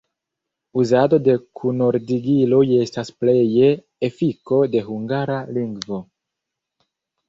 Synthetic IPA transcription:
uzado̞de̞kʰuno̞ɾdiɡiloje̞stasple̞jeː | fiko̞de̞ɦuŋɡaɾaliŋɡvo̞

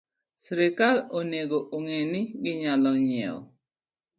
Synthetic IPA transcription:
sɾɪkaloneɡoʔoŋenɪɡɪɲalɔɲɛ̰ɔ̰

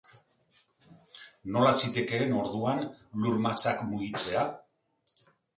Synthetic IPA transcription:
no̞lasit̪e̞ke̞ːno̞ɾðuanluɾmasakmuɣit͡se̞a

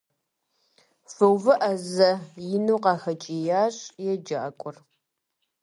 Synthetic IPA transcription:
fɨwvɨʔɐzɐjɪnuːqɑːxɐt͡ʃʼijaːɕʼjɛd͡ʒa̰ːkʷʼʊr

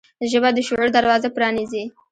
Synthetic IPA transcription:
ʒəbad̪əʃʊʕuɾd̪aɾwɑzapɾɑnizi

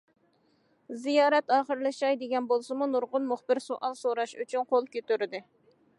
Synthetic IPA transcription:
zijɑːɾɛt̪ɑːχəɾlˠɨʃɑjd̪eɡʲɛnbolˠsɨmunuɾʁʊnmʊχbɪɾsoʔɑnsoɾɑʃy̰t͡ʃʰynqʰolˠkʲøt̪yɾɪd̪ɪ

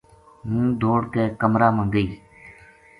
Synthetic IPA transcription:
mũːd̪ʱoːɽkeːkəmɾaːmə̃ːŋɡəiː

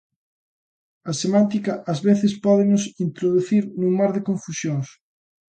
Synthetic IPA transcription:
ɐsemãnt̪ikɐʔɐzβeθɪspɔðɪnʊsint̪ɾoðuθiɾnuŋmaɾðɪkõɱfusjoŋs

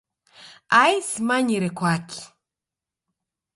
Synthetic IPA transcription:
ajsmaɲiɾɛkwakʰi̥

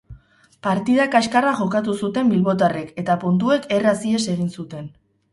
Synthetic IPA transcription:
paɾt̪iðakaskaraʝo̞kat̪̬usut̪e̞mbilβo̞t̪̬areke̞t̪apunt̪ue̞ke̞rasie̞se̞ɣ̞insut̪e̞n

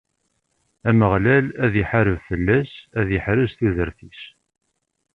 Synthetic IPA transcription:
æməʁlælæðjəħaɾəvfəlːæsæðjəħɾəʒθiðəɾθis

